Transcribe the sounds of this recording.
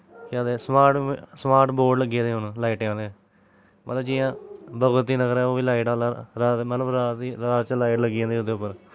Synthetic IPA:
kãːd̪esmaːʈsmaːɾʈboːɖləɡẽːd̪eːɦʊnlaːiːʈːãːd̪e | mə̰t̪ləbd͡ʒiːjãːbəɡʊt̪ːiːnəɡəɾɛːoːʋiːlaːɪʈaːlaːɾaːt̪mət̪ləbɾaːt̪iɾaːt̪t͡ʃəlaːɪʈləɡijãːnd̪eːʊd̪eːʊpːəɾ

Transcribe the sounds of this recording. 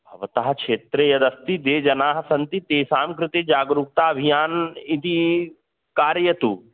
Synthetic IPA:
bʱɐʋɐt̪aːɦɐkʃeːt̪ɾejɐd̪ɐst̪id̪eːd͡ʒɐnaːɦɐsɐnt̪it̪eːsaːmkɾɪt̪id͡ʒaːɡɾuːk̚t̪aːɐbʱijaːnit̪i | kaːɾjɐt̪uː

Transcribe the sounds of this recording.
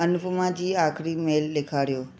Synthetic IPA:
ənupmãd͡ʒiakʰɾimelːekʰaɽjo

